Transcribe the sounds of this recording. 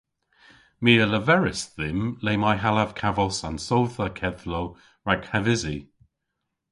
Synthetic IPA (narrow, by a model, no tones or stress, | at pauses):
miːələvɛɹɪsðɪmleːmajɦalav̥kʰavɔsansowθəkʰɛðlow | ɹaɡhavɪzi